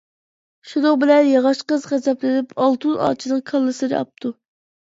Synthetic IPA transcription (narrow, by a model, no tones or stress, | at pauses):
ʃud̪oʁbɪlɛnjɑʁɑʃqəzχæzɛplɪnɪpʰɑlˠt̪unʔɑ̰ːt͡ʃʰinɨŋkʰɑlˠːɨsɨd̪ɨ̰ɑ̰p̚t̪ʰu